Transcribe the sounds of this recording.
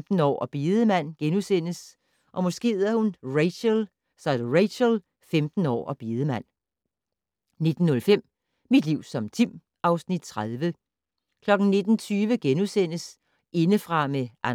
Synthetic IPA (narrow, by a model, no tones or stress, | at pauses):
d̥n̩ɒ̰ːɒb̥iːðˠəmæn̰ɡ̥enusen̰əs | ʔɒ̽mɔ̽sɡ̥e̝̰ːðɐhunʁeɪɕəl | sɑdʁeɪɕəl | femd̥n̩ɒ̰ːɒb̥iːð̞ˠəmæn̰ | ne̝d̥n̩ːɔ̽lfem̰ | mid̥liʊ̰sɒ̽mt͡sʰim | ʔɑ̈ʊsnid̥̚t͡sʰʁaðˠʋə | kʰlɒ̽ɡ̥n̩ne̝d̥n̩t͡sʰyːʋəɡ̥enusen̰əs | ʔe̝nəfʁɑ̈meʔæ